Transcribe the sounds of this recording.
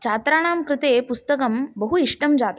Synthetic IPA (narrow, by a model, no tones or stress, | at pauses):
t͡ʃʰaːt̪ɾaːɽ̃aːmkɾɪt̪eːpust̪ɐkɐmbɐɦuiʂʈɐmd͡zaːt̪